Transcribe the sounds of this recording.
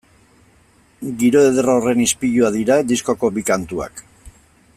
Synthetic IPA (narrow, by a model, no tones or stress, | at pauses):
ɡiɾo̞e̞ðerore̞nispiʎuaðiɾad̪isko̞ko̞bikant̪ua̰k